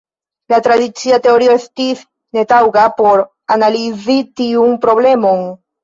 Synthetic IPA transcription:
latɾadit͡siate̞o̞ɾioestis | ne̞tawɡapo̞ɾ | analizitiunpɾo̞ble̞mo̞n

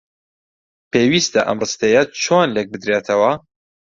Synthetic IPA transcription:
peːwiːst̪ɐʔɐ̰mrɨst̪ejɐt͡ʃʰonlek̚bɨd̪ɾeːt̪ʰɐwɐ

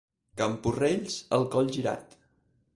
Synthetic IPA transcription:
kəmpureʎzəlˠkɔʎʲʒiɾa̰t̪

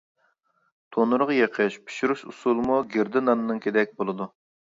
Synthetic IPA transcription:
t̪ʰonuɾʁjeqʰəʃpʰi̥ʃuɾuʃusulˠmuɡʲeɾd̪ɨnɑnɨnɨŋkʲʰed̪ɛk̚ʲbolˠɨd̪u

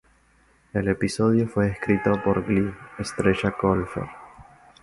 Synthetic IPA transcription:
elepiso̞ðjofwe̞ːskɾit̪opoɾɡliest̪ɾeʒakolfḛɾ

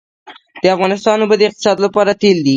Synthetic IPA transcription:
d̪̥əafɣɑnɪst̪ɑnobəd̪ɪq̚t̪ɪ̥sɑd̪lapɑɾat̪eld̪i

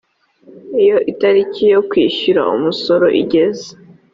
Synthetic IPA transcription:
ijo̞ʔitaɾicijo̞kwiːʃuɾa̰ṵmuso̞ɾo̞ʔḭɟe̞ze

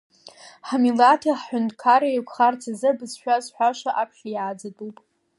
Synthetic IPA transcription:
ħamilatʰiħħʊndkʰaɾaikʷʰχart͡sʰazɨbɨzʃᶣazħʷᶣaʃaʔapʰʃʲajaːd͡zatʼupʼ

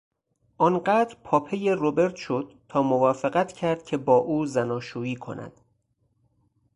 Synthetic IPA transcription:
ʔɒːnɢæːd̪ɾpʰɒːpʰeje̞robe̞ɾt̪ʃo̞d̪̥̚t̪ʰɒːmovɒːfeɣæt̪ʰcʰæɾd̪̥̚cʰe̞bɒːʔuːzænɒːʃuːiːkʰo̞̰næ̰d̪̥

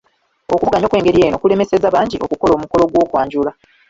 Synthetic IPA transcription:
o̞kuβuɡaɲo̞kwe̞ːŋɡe̞ɾieːno̞kule̞me̞se̞zaβaːɲɟiʔo̞kuko̞lo̞ːmuko̞lo̞ɡwo̞ːkwaːɲɟula

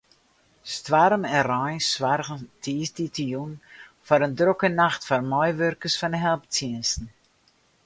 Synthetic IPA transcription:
stʋaɾəmɛnrɔjnsʋarɣəntʰiːsditʰəjun | fɔɾəndrokənaxtfɔrmɔjʋørkəsfɔnəɦɛlˠp̚tʰjiənsn̩

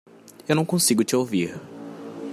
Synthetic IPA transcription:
ewnɐ̃w̃kõsiɡʊt͡ʃɪowviɾ

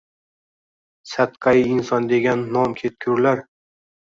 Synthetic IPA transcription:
sat̪qʰɑjɪnsɒnd̪e̞ɡʲanːɒmkʲʰet̪̚kʲʰʊɾlaɾ

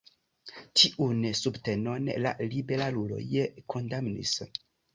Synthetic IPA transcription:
tʰiʔunsubte̞no̞nla̰libeɾalulo̰jekʰondamnḭs

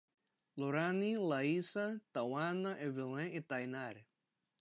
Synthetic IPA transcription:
loɾanilaisat̪awanaʔeβilẽit̪ajnaɾ

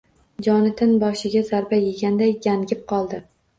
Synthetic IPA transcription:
d͡ʒɒnɪt̪ʰɪnbɒʃɪɡʲazaɾbajeɡʲand̪ajjanɡʲɪp̚qʰɒlˠd̪ɪ

